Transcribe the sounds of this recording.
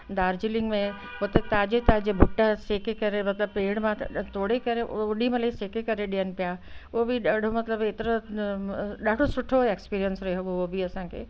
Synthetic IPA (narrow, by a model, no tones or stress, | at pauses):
d̪aːɾd͡ʑɪlɪ̃ŋɡmẽ | ɦot̪et̪aːd͡ʑet̪aːd͡ʑebʱuʊʈːaseːkekɐɾemɐt̪ləb̚peːɽ̃mãt̪ʰoːɽekɐɾeʔʊɗimãlɐiseːkekɐɾeɗiən̆pijaobʱiɗaːɖʱomɐt̪ləbet̪ɾõ | ɗaːɖʱosʊʈʰːoekspiːɾijənsɾɐɦeɦʋoobʱiɐsãkʰḛː